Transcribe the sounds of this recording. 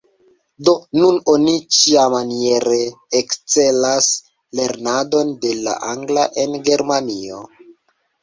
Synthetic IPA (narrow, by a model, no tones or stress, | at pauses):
do̞nuno̞nit͡ʃiamanieɾe̞ːkt͡se̞las | le̞ɾnado̞nde̞la̰ʔaŋɡlaʔe̞nɡe̞ɾmanio̞̰